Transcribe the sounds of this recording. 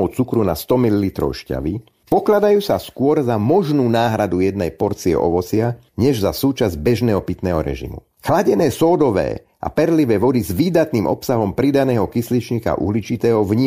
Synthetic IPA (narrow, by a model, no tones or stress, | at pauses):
ɔʊt͡sukɾunast̪ɔmililit̪ɾɔ̰ʊʃca̰ʋi | pɔklad̪ajuːsaskʊɔɾzamɔʒnuːnaːɦɾad̪ujɛd̪nɛjpɔɾt͡siɛ̰ʔɔ̰ʋɔt͡sɪa | ɲɛʒzasuːt͡ʃazbɛʒnɛːɦɔpit̪nɛːɦɔɾɛ̰ʒḭmṵ | xlaɟɛnɛːsɔːd̪ɔʋɛ̰ː | ʔa̰pɛɾliʋɛːʋɔd̪izʋiːd̪at̪nimʔɔ̰psaɦɔmpɾid̪anɛːɦɔkislit͡ʃɲika̰ʔṵɦlit͡ʃit̪ɛːɦɔvɲiː